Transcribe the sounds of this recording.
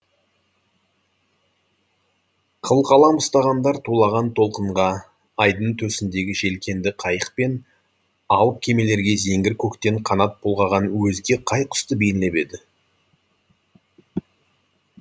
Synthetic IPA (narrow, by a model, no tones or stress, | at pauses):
qʰəlˠqɑlˠɑmʊst̪ɑʁɑnd̪ɑɾt̪ʰulˠɑʁɑnt̪ʰo̞lˠqəɴʁɑː | jd̪əɴt̪ʰɵsɪnd̪e̞ɡʲɪʒe̞lkʲʰe̞nd̪ɪqʰɑjəq̚pe̞n | ɑw̪ˠəp̚kʲʰe̞me̞le̞ɾɡʲe̞ze̞ŋɡʲɪɾkʲʰɵkt̪e̞ɴqʰɑnɑt̪̚bʰolˠʁɑʁɑnwɵzɡʲe̞qʰɑjqʰʊ̥st̪əbe̞jɪnle̞pe̞d̪ɪ